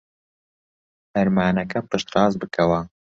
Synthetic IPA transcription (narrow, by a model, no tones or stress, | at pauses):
hɐɾmaːnɐkʰɐpɨʃt̪ɾɑːzbɨkʰɐwɐ